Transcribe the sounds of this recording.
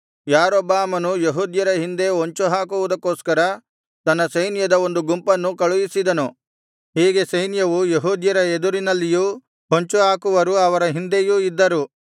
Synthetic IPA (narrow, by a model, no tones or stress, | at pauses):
jaːɾɔbaːmɐnujeɦuːd̪jɐɾɐɦind̪e̞ɦoɲt͡ʃuɦaːkuʋud̪ɐkːo̞ːskɐɾɐ | t̪ɐnːɐsɐjnjɐd̪ɐo̞nd̪uɡumpɐnːukɐɭujisid̪ɐnu | ɦiːɡe̞sɐjnjɐʋujeɦuːd̪jɐɾɐed̪uɾinɐlːijuː | ɦoɲt͡ʃuɦaːkuʋɐɾuɐʋɐɾɐɦind̪e̞juːid̪ːɐɾu